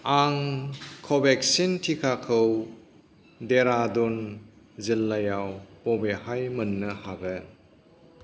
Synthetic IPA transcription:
aŋkʰobek̚sintʰikʰakʰɯw | deɾadun | zilːɐjawpɔbehajmɐnːəhaɡə

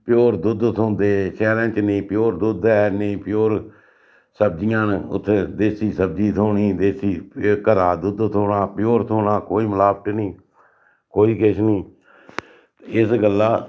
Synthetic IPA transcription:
pɪjoːɾd̪ʊd̪t̪ʰõːnd̪eːʃɛːɾɛ̃ːt͡ʃnĩːpɪjoːɾd̪ʊd̪ɛːnəĩːpɪjoːɾ | səb̚d͡ʒɪjãːnʊ̰t̪ʰːed̪eːsiːsəb̚d͡ʒiːt̪ʰoːɳiːd̪eːsiːkəɾaːd̪ʊd̪t̪ʰoːɳaːpjoːɾt̪ʰoːɽaːkoːiːməlaːb̚ʈnĩː | koːiːkɪʃniː | ɪsɡəlːaː

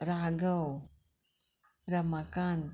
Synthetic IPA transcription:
ɾaɡaw | ɾamakan

